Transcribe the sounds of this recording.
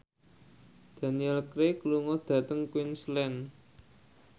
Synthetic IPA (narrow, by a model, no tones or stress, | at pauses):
d̪̥ä̤niɛlkɾekəluŋɔd̪̥ä̤t̪əŋkwinslɛn